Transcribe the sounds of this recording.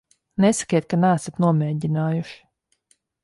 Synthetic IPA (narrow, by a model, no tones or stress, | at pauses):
nɛsḁkʲiɛt̪̚kanæːsat̪nuɔmɛːɟʲinaːjuʃi̥